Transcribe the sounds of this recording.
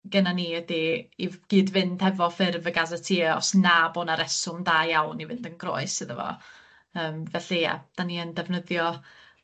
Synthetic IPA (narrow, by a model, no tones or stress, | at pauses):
ɡ̥ənaniːədiiɡ̥iːdvɪnd̥hɛvɔfɪrvəɡazətʰiːɔ̰snaboːnaɾɛsʊmdaːjawnivɪndənɡro̰ɨsɨðəvɔ̰ | əːmvɛɬija̰d̥aniəndɛvnəðjɔ